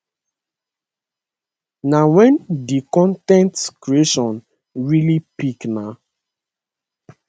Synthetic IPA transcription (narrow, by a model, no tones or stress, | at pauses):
nawɛ̃ndikɔ̃ntɛ̃ntkɹieʃɔ̃n | ɹilipikna